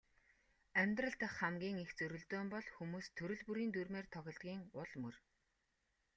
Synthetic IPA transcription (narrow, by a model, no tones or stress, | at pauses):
æmʲt̪rə̆ɮt̪ə̆χːamɡʲiːŋixt͡sɵɾɵ̆ɮt̪oːmpɔɮxumuːst̪ʰɵɾɵ̆ɮpuɾiːnt̪urmeːrt̪ʰɔɣʲɪ̆ɮt̪̚ɡʲiːŋʊɮmɵr